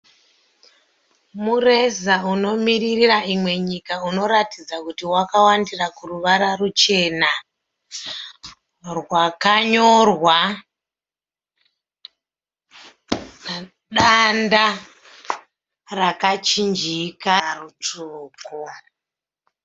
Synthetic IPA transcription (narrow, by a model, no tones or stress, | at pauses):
mure̞zauno̞miririraimwe̞ɲikauno̞ɾatid͡zakutiwakawandirakuruʋaɾarut͡ʃe̞ːna | rwakaɲo̞rwa | na | ɗanda | rakat͡ʃind͡ʒikarutuːku